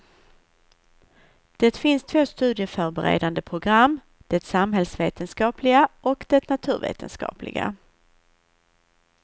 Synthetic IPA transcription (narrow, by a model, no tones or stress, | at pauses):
d̪̥ɛt̪fɪnst̪ʰvoːst̪ʉ̟ːd̪jəfœɾbɛɾḛːd̪and̪əpʰɾʊɡɾamː | d̪̥ɛt̪samɦɛlsveːt̪ənskɑːpʰlɪɡaʔɔkd̪̥ɛt̪nat̪ʰʉ̟ːɾvḛːt̪ʰə̰nskɑ̰ːplɪ̰ɡa̰